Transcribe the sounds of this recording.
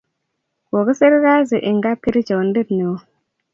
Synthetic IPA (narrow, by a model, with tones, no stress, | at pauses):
wo˨ɡi˦se˦ɾɾa˦zi˨ʔi˨ŋɡa˦p̚ki˦ɾi˦t͡ʃe˨n˦di˦tni˨wo˦